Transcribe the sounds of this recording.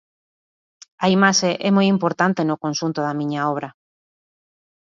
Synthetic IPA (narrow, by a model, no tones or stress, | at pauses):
aimaʃeʔɛmojimpoɾt̪ant̪enokõnʃunt̪oðamĩɲaoβ̞ɾa